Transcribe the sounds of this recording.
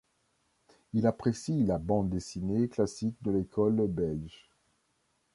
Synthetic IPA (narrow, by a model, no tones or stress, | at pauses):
ilapχesilabɑ̃d̪d̪esineklasik̚d̪əlekʰɔlbɛlʒ